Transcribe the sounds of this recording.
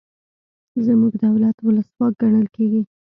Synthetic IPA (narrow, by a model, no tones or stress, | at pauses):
zəmuɡd̪awlat̪wʊləswɑk̚ɡaɳəlkeɡi